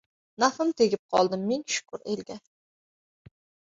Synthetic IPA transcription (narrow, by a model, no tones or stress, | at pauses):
nafɪmt̪ʰeɡʲɪp̚qʰɒlˠd̪ɪmːeŋʃʊ̥kʰʊɾḛlɡʲa